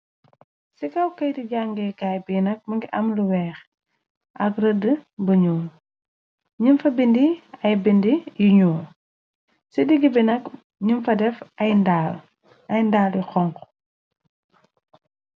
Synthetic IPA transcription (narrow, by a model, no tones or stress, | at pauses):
sikɐwkɐjdiɟaŋɡɛːkaːjbinɐk̚mɐŋɡiʔɐmluwɛːx | ʔɐkrədəbəɲuː | ɲinfɐbindiɐjbindijiɲuː | sidiɡibinɐk | ɲunfɐdɛfɐjndaːl | ɐjndaːljixɔŋk